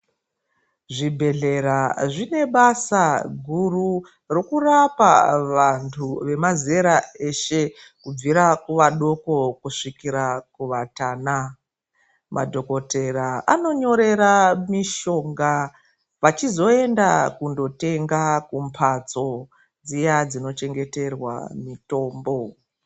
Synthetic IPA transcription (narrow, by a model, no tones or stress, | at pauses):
ʐibʱe̞ɮe̞ɾaʐine̞ɓasaɡʱuru | ro̞kurapa̰ʋantʰuʋe̞mazeɾae̞ʃe̞ | kub͡viɾakuʋaɗo̞ko̞kuʂikiɾakuʋataːna | mʔa̰dʱoko̞te̞ɾaano̞ɲo̞ɾe̞ɾamiʃo̞ŋɡa | ʋat͡ʃizo̞e̞ndakundo̞te̞ŋɡakumpʰat͡so̞ | d͡zijad͡zino̞t͡ʃe̞ŋɡe̞te̞rwa̰mito̞ːmbo